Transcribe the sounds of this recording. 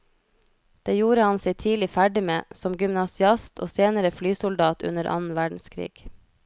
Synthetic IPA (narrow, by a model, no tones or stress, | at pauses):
d̪̥eːjuːɾəhɑnseɪt̪ʰiːlɪfæɖɪmeːsɔmɡʏmnɑsɪɑst̪ʰo̰ːseːnəɾəflyːsʊld̪ɑːt̪ʉ̰nəɾʔɑ̰nn̩ʋæːɖɳ̩skʰɾḭːɡ̥